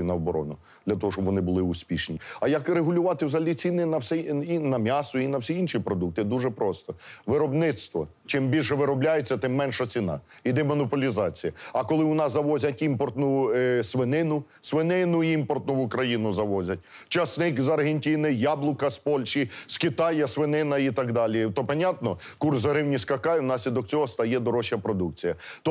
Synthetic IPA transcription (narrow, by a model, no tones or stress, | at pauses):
nɐɔbɔɾɔ̰nʊ | d̪lʲɐt̪ɔɦɔʃt͡ʃɔbʋɔnɪbʊlˠɪʊsʲpʲiʃnʲiɐjɐkɾeɦʊlʲʊʋɑt̪ɪwzɐlʲit͡sʲinɪnɐwsʲɛinɐmʲjɑsʊinɐwsʲiinʃipɾɔd̪uk̚t̪ɪd̪uʒɛpɾɔst̪ɔʋɪɾɔbnɪt̪st̪ʋɔ | t͡ʃɪmbʲilʲʃɛʋɪɾɔblʲajet͡sʲːɐt̪ɪmːɛnʃɐt͡sʲinɑ̰ | id̪ɛmɔnɔpɔlʲizɑt͡sʲijɐɐkɔlˠɪʊnɑszɐʋɔzʲɐtʲimpɔrt̪nʊsʋɪnɪnʊ | sʋenɪnʊimpɔrt̪nʊʊkɾɐjinʊzɐʋɔzʲɐt̚ʲ | t͡ʃɐsnɪkzɐrɦenʲtʲinɪjɑblˠʊkɐspɔlʲʃiskɪt̪ɑjɐsʋɪnɪnɐit̪ɑɡd̪ɑlʲit̪ɔpɐnʲɑt̪nɔkursɦɾɪwnʲiskɐkɑjnɑsʲlʲid̪ɔkt͡sʲɔɦɔst̪ɐjɛd̪ɔɾɔʃjɐpɾɔd̪uk̚t͡sʲijɐt̪ɔ